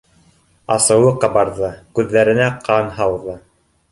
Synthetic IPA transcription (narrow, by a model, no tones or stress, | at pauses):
ɑsɤ̆wɤqɑbɑɾðɤkʉðːæɾɘ̆næqʰɑnɦɑlˠðɤ